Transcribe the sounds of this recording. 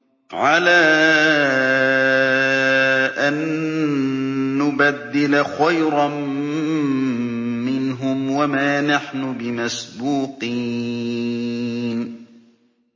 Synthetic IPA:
ʕalaː | ʔan | ʊbad̪ːɪlaxajɾɑ | mɪnɦʊmwamaːnaħnʊbɪmasbuːqiː | n

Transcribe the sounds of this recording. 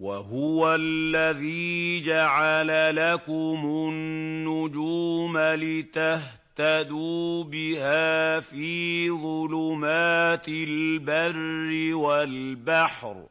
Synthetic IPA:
wa̰ɦʊwalːaðiːd͡ʒaʕalalakʊmʊnːʊd͡ʒuːmalɪt̪ah | t̪ad̪uːbɪhaːfiːðˤʊlʊmaːt̪ɪlbarːɪwalbaħɾ

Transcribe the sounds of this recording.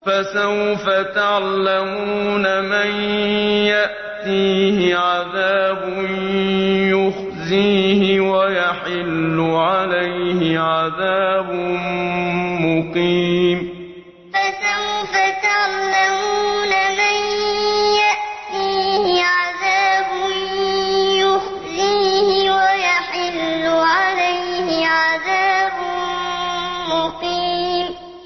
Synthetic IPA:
fasawfat̪aʕllːamuːnamanjaʔ | t̪iːhɪʕaðaːbʊnjʊx | ziːhɪwajaħɪlːʊʕalajhɪʕaðaːbʊ | mʊqiːm | fat̪afat̪aʕlːamuːnamanjaʔt̪iːhɪʕaðaːbʊnjʊhziːhɪwajaħɪlːʊʕalajhɪʕaðaːbʊ | mʊqiːm

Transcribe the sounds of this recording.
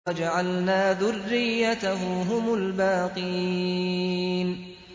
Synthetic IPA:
d͡ʒaʕalnaːðʊrːɪjːat̪aɦʊɦʊmʊlbaːqɨji | n

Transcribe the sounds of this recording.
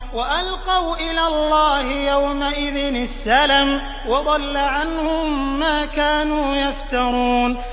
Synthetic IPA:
waʔalqɑwʔɪlaːlˤːɑːhɪjawmaʔɪðɪnɪsːalam | wɑd̪ˤɑlːaʕanhʊmːaːkaːnuːjaft̪ɑɾˤuːn

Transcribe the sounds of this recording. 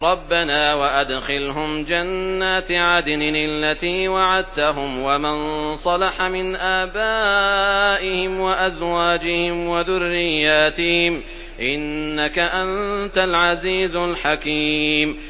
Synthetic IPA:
ɾˤɑbːanaːwaʔad̪xɪlɦʊmd͡ʒanːaːt̪ʕad̪nnɪlːat̪iːwaʕad̪̚t̪aɦʊmwamansˤɑlɑħamɪnʔaːbaː | ʔɪhɪmwaʔazwaːd͡ʒɪhɪmwaðʊrːɪjːaːt̪ɪhɪm | ʔɪnːakaʔant̪alʕaziːzʊlħakiːm

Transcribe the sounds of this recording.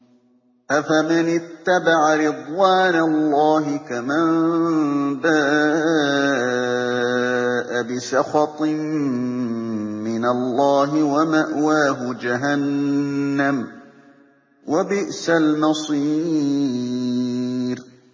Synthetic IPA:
ʔafamɪnɪt̪ːabaʕaɾɪd̪ˤwaːnalːɑːɦɪkaman | d̪aː | ʔabɪsɑxɑt̪ˤm | ɪnalːɑːɦɪwamaʔwaːɦʊd͡ʒaɦanː | am | wabɪʔsalmɑsˤiː | ɾ

